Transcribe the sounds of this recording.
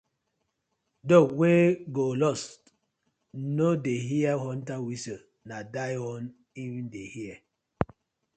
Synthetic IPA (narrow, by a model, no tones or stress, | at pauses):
doweɡolɔst | nodeɦiɛhɔntawisə | nadajɔn | ivĩndehiɛ